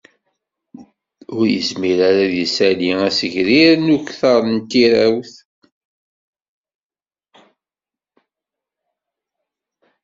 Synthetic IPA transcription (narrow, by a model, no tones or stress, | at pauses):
ʊɾjə̰zmiɾaɾaðisæliŋæsəʝɾiɾnuçθɑɾˤnt̪iɾæwθ